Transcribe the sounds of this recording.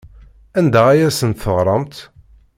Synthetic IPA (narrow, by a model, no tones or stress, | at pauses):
ænd̪ææjæsənt̪θəʁɾˤɑmt̪